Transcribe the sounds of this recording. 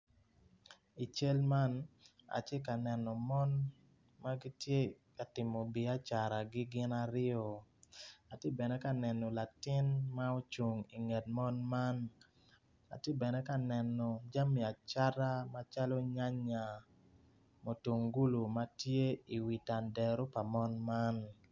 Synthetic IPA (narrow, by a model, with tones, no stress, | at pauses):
i˨t͡ʃe˦lma˦n | a̰˨te˦ka˨nɛ˨nɔ˨mɔ˦n | ma˦ɡi˦tje˦ | ka˨tɪ˨mɔ˨bi˨a˦t͡ʃa˨ɾa˨ɡɪ˦ɡɪ˦na˦ɾɪ˦ɔ˨ | a˨tje˦bɛ˨nɛ˦ka˦nɛ˨nɔ˨la˨tɪ˦nma˦o˦t͡ʃo˨ŋi˨ŋɛ˨t̚mɔ˦nma˦n | a̰˨tje˦bɛ˨nɛ˦ka˨nɛ˨nɔ˨d͡ʒa˦mi˨a˨t͡ʃa˦ɾa˦ma˦t͡ʃa˦lɔ˦ɲa˦ɲa˨ | mo˨to˨ŋɡu˦lo˨ma˦tje˦i˨wi˨ta˨ndɛ˨ɾo˦pa˨mɔ˦nma˦n